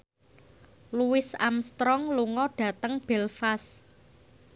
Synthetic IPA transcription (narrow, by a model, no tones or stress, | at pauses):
luwɪsa̰mst̪ɾɔŋluŋɔɖ̥a̤t̪əŋb̥ɛlfas